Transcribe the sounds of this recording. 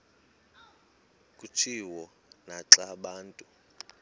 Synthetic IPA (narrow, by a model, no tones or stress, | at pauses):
kʼut͡ʃʰiwɔ | naǁaɓaːntʼu